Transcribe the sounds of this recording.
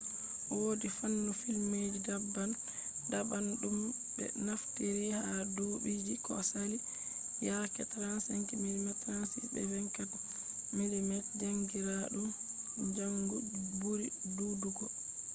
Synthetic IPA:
woːdifanːɔfilmedidabːan | dabanɗum | bɛ̰naftiɾihadoːbid͡ʒikɔ̰sali | jakɛtɾansaŋkimilimɛtɾansḭbɛ̰wɛŋkat | milimɛtd͡ʒaŋɡiɾaɗum | d͡ʒaŋɡubuɾi | duduɡɔ

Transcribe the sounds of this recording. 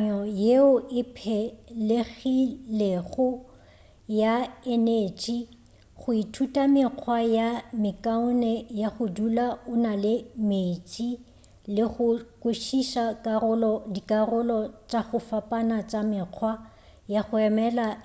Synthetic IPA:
ɲɔjeʊʔɪpʰɛleɣileɣʊ | jaɛneːt͡ʃʼi | χʊitʰutʼamɪq͡χʰwajamɪkʼaʊnɛjaχʊdulaʊnalɪmet͡ʃʼi | lɪχʊkʼʊʃiʃakʼarʊlɔdikʼarʊlɔt͡ʃʼaχʊfapʼanat͡ʃʼamɪːq͡χʰwa | jaɣʊɛmɛla

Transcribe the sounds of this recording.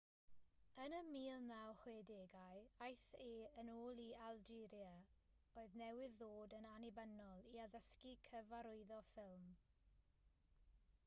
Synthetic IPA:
ənəmiːlˠnawχwedeːɡajajθeːənoːlˠialˠd͡ʒɪɾjaoːɨðnɛwɪðːoːdənanibənɔlˠiaðəskikʰəvaɾʊɨðɔfɪlˠm

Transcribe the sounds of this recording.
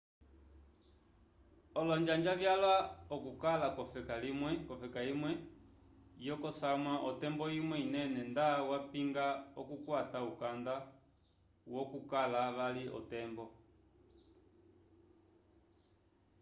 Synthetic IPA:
ɔlɔɲd͡ʒand͡ʒaβjalwaɔkukalakɔfɛkalimwɛkɔfɛkaimwɛ | jɔkɔsamwaʔɔtɛmbɔimwɛinɛnɛndawapiŋɡaɔkukwataukanda | wɔkukalaβaliʔɔ̰tɛmbɔ

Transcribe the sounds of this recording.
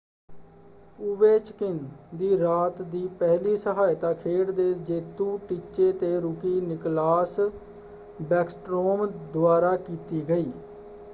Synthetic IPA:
ʊʋeːt͡ʃkɪnd̪iːɾaːt̪d̪iːpɛɦliːsəɦaːjɪt̪ãːkʰeːɽd̪eːd͡ʒeːt̪ũːʈit͡ʃeːt̪eːɾʊkiːnɪklaːs | bɛːksʈɾoːmd̪ʊaːɾaːkiːt̪iːɡəiː

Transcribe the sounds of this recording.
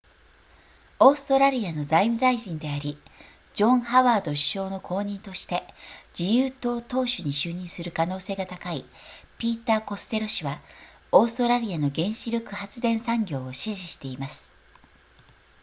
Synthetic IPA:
o̞ːsɨ̥t̪o̞ɾaɾʲiano̞zaimɯ̟zaiʑĩnd̪e̞aɾʲi | d͡ʑõ̞ɰ̃haβaːd̪o̞ɕi̥ɕo̞ːno̞kʰo̞ːɲ̟ĩnt̪o̞ɕi̥t̪e̞d͡ʑijɯːt̪o̞ːt̪o̞ːɕɨɲ̟iɕɨːɲ̟ĩsɨɾɯ̟kano̞ːse̞ːɡat̪akaipʲiːt̪aːko̞sɨ̥t̪e̞ɾo̞ɕiβa | o̞ːsɨ̥t̪o̞ɾaɾʲiano̞ɡẽ̞ɰ̃ɕiɾʲo̞kɯ̟hat͡sɨd̪ẽ̞ɰ̃sãŋɡʲo̞ːoɕiʑiɕi̥t̪e̞imasɨ̥

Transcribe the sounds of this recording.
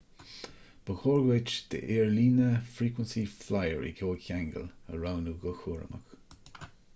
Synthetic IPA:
b̥əxɔːɹɡɪt͡ʃd̪̥ə̰ʔeːɹliːnəfɹiːkwənsiflajəɹḭkʰoːçaŋɡə̰lə̰ɹawnuɡɔxuːɹə̰mə̰k

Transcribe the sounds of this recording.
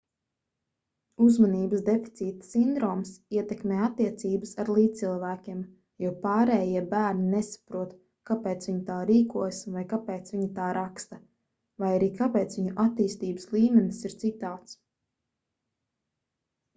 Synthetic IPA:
uzmaniːbəsd̪efi̥t̪siːt̪sind̪ɾɔːmsiɛt̪ɛkmeːat̪ːiɛt̪siːbəsaɾlˠiːt̪ilˠvæːkʲiɛm | juːpaːɾɛːjiɛbæːɾninesḁpɾuɔt̪ | kapeːt̪sviɲut̪aːɾiːkuɔjsvajkapɛːt̪svʲiɲat̪aːɾʔakst̪ɐ | vajaɾiːkapɛːt̪sviɲuʔat̪iːst̪iːbə̥slˠiːmɛnisiɾt̪sit̪aːt̪s

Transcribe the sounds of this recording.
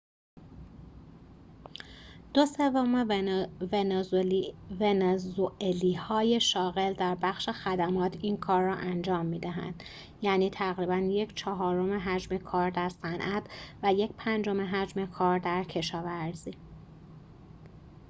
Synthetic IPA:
d̪̥o̞se̞vomevenezvenezoʔeliːhɒːje̞ʃɒːɣeld̪æɾbæxʃexæd̪æmɒːt̪ʰiːnkʰɒːrːɒːʔænd͡ʒɒːmːiːd̪æɦæ̰nd̪̥ | jæːniːt̪ʰæɣɾibænjecʰt͡ʃʰɒɦɒːɾo̞meɦæd͡ʒme̞kʰɒːɾd̪æɾsænʔæt̪ʰvæje̞cpʰænd͡ʒo̞meɦæd͡ʒmekʰɒːɾd̪æɾcʰe̞ʃɒːvæɾz̥iː

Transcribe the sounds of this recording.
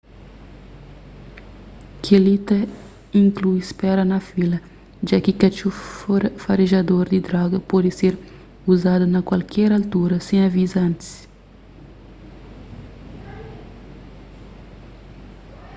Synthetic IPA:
kʰelit̪ɐ | ĩŋklujspɛɾɐnɐfilɐ | d͡ʒakikɐt͡ʃufɐɾeʒad̪oɾd̪id̪ɾɔɡɐpɔd̪ɪseɾ | uzad̪ɐnɐkwalkʰɛɾalt̪uɾɐsẽj̃ɐvizɐɐ̃nt̪i̥s

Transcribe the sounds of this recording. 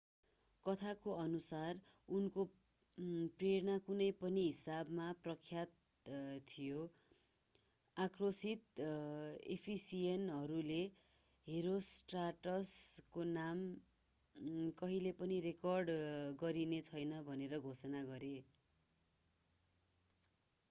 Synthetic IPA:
kʌt̪ʰakoʌnusarunko | preɾnakunʌjpʌniɦisabmaprʌkʰːjat̪ | t̪ʰːijo | akʰrosit̪ | ḛpʰisienɦʌɾule | ɦeɾosʈraʈʌskonam | kʌɦilepʌniɾekʌrɖɡʌɾinet͡sʰʌjnʌbʱʌneɾʌɡʱosʌnaɡʌɾe

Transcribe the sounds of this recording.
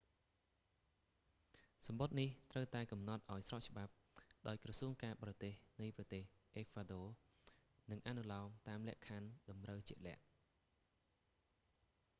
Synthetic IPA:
sɑmɓot̪̚niht̪rəwt̪aɛkɑmnɑt̪̚ʔaɔjsrɑʔ̚t͡ɕə̆ɓap̚ | ɗaɔjkrɑsuəŋkaːɓɑːrɑt̪eːhnɨjprɑt̪eːhʔeːkʰwaɗoː | nɨŋʔanulaɔmt̪aːmlɛ̆əʔkʰanɗɑmrəwt͡ɕiəʔlɛ̆əʔ

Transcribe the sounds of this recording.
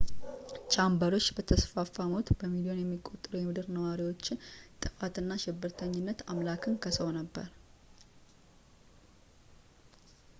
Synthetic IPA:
t͡ʃʰʼambəɾo̞t͡ʃːbət̪ʰəsfafamot̪bəmid̪io̞njɛmːikʼo̞t̪ʼɨɾujɛmɨd̪ɨɾnəwaɾiwo̞t͡ʃːɪnt̪ʼɨkʼat̪ɨnːaʃɪbːɨɾt̪ʰəɲːɪnːət̪amlakʰɨnkʰəsəwnəbːə̰ɾ

